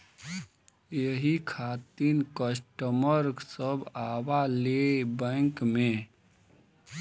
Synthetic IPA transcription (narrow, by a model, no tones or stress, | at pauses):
jəɦikʰaːt̪inkəsʈəməɾksəbaːwalebɛ̃ŋkmẽ